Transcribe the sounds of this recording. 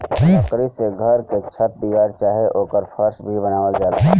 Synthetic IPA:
əkɾiseɡʱɐɾket͡ʃʰəp̚d̪iːʋaːɾt͡ʃaːɦeʔoːkəɾpʰəɾʃbʱibənaːʋəld͡ʒaːt̪ː

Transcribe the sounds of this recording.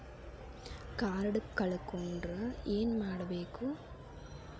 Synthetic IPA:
kaːɾɐɽɯkkːɐɭɯkːondrɐeːnmaːɽɐʋeːkːu

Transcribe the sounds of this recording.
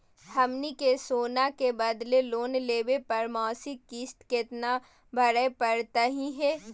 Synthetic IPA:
hɐmnikesoːnakebɐd̪leloːnleːbepɐɾmɔːsikiːsʈ̪kɪt̪na | bʱɐɾəepɐɾt̪aɦĩɦɛː

